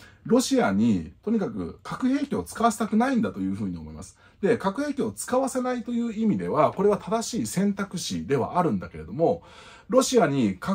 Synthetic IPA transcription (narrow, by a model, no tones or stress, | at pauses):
ɾo̞ɕiaɲ̟it̪o̞ɲ̟ikakɯ̟̰kʰakɯ̟he̞ːkʲio̞t͡sɨ̥kaβase̥t̪akɯ̟naĩnd̪at̪o̞jɯ̟ːɸɯ̟ːɲ̟io̞mo̞ḭma̰sɨ̥ | d̪e̞kakɯ̟he̞ːkʲiot͡sɨ̥kaβase̞nait̪o̞jɯ̟ːimʲid̪e̞βako̞ɾe̞β̞at̪ʰad̪aɕiːsẽ̞nt̪akɯ̟ɕḭd̪e̞βa̰ʔaɾɯ̟̃nd̪ake̞ɾe̞d̪o̞mo̞ | ɾo̞ɕiaɲ̟ika